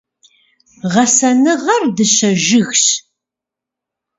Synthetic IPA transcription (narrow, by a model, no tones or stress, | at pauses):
ʁɐsɐnɨʁɐrdɨʃɐʒɪɣɕ